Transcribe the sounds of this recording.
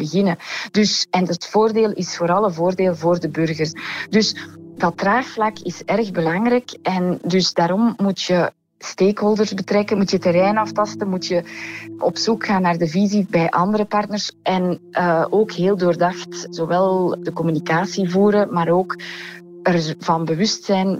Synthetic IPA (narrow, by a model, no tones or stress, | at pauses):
bəɣɪnəd̥ʏsɛnətfoːrdeːlˠɪsfoːɾɑlˠənvoːrdeːlˠvoːrdəbʏrɣərsdʏsdɑtːraːxflɑkɪsɛrɣbəlɑŋrɛkʔɛndʏsdaːɾɔmːutjə | steːkɦoːlˠdərzbətrɛkənmutjətəɾɛjnɑftɑstənmutjəʔɔ̰psukxaːnːaːrdəvizibɛjʔɑndəɾəpɑrtnərsʔɛnʔəoːkɦeːlˠdoːrdɑxtz̥owɛlˠdəkɔmynikaːsivuːɾəmaːɾoːk | ərvɑnbəʋʏstsɛjn